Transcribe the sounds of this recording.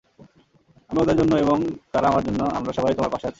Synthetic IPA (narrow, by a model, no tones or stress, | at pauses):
amiod̪aɾd͡ʑonːoeboŋt̪aɾaamaɾd͡ʑonːoa̰mɾaʃɔbajt̪omaɾpaʃeat͡ɕʰe̥